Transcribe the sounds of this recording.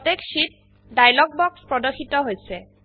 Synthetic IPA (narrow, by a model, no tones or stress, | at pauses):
tekʃit̚ | dajlɔɡ̚bɔkspɹɔdɔxʰitɔɦojsɛ